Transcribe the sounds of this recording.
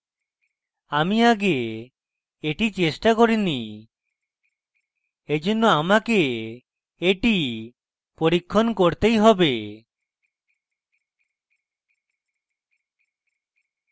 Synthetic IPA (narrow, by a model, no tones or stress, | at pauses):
amiaɡeː | ʈit͡ʃesʈakɔɾini | ed͡ʒɔnɔamake | eʈi | pɔɾikʰːɔnkɔɾt̪ejɦɔbe